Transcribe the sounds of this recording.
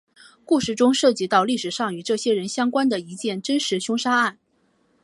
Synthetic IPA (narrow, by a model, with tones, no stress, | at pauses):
ku˥˧ʂɻ̩˥˩ʈ͡ʂʊ˥ŋʂɤ˥˩t͡ɕi˧˥t̪ɑ˥˧ʊli˥˩ʂɻ̩˨˩ʂɑ˥˩ŋy˨˩˦ʈ͡ʂɤ˥˩ɕjɛ˥ɻə˧˥nɕjɑ˥ŋkwa˥nd̪ə˨i˧˥t͡ɕjɛ˥˩nʈ͡ʂə˥nʂɻ̩˧˥ɕjʊ˥ŋʂa˥a˥˩n